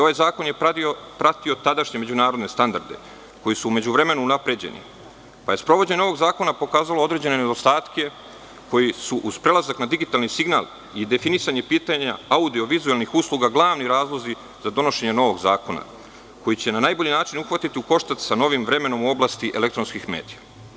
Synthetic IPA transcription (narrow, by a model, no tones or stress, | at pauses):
o̞ʋajzaːko̞njepɾat̪io̞t̪ad̪aʃɲe̞me̞d͡ʑunaːɾod̪ne̞st̪and̪a̰ɾd̪e̞̰ | ko̞jisuːme̞d͡ʑuʋɾe̞me̞nuːnapɾe̞d͡ʑe̞̰nḭ | paje̞spɾo̞ʋo̞d͡ʑeɲeo̞ʋo̞ɡzaːko̞napo̞kaːzaloo̞d̪ɾe̞d͡ʑe̞nened̪o̞st̪aːt̪ke̞ | ko̞jisuʔuz̥pɾe̞lˠazaknad̪iɡit̪aːlnisiɡnaːlˠ | id̪e̞finisaɲe̞piːt̪aɲaaud̪io̞ʋizuelnixusluɡaɡlˠaːʋniɾaːzlˠo̞zi | z̥ad̪o̞no̞ʃe̞ɲeno̞ʋo̞ɡzaːko̞na̰ | ko̞jit͡ɕe̞nanaːjboʎinaːt͡ʃinuxʋat̪it̪iuko̞ʃt̪at̪sano̞ʋimʋɾe̞me̞no̞muo̞blaːst̪iʔele̞kt̪ɾo̞nskixme̞̰ːd̪ija